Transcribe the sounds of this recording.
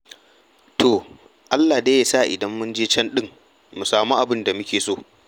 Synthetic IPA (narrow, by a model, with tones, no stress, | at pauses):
tʰoː˨ | ʔa˦lːaː˨deː˦jaː˦sa˦˨ʔɪ˨dɐ˦mːʊ˦nd͡ʒeː˦t͡ʃɐ˦nɗɪ˦ŋ | mu˨saː˨muː˦ʔa˨bɪ˦nda˨mʊ˦kʲeː˨soː˦˨